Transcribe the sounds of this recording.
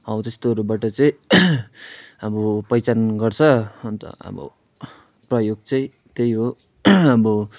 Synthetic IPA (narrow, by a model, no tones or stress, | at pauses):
ʌwt̪est̪oʌɾubaʈʌt͡sʌj̃ | ʌbʌpʌjt͡sanɡʌrt͡sʰʌnt̪ʌ̰ʌ̰bʌ̰ | prʌjoɡ̚t͡sʌĩ | t̪ejɦo | ʌbʌ